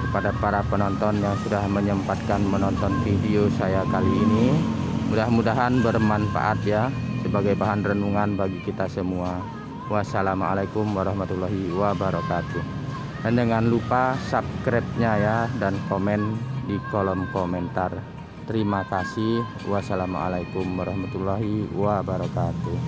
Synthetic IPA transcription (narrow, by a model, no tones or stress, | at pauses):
kəpadapaɾapənɔnt̪ɔnjaŋsudahməɲəmpat̪̚kanmənɔnt̪ɔnfidiosajakaliːni | mudahmudaɦanbərmanfa̰ʔa̰t̪̚jasəbaɡajbaɦanrənuŋanbaɡikit̪asəmua | wasalama̰lakumwaɾɑhmat̪ulːaɦiwabaɾɔkat̪u | dandəŋanlupasap̚kɾɛp̚ɲajadankomɛndikolɔmkomɛnt̪ar | t̪əɾimakasih | wasalam̰a̰lakumwaɾɑhmat̪ulːaɦiwabaɾɔkat̪u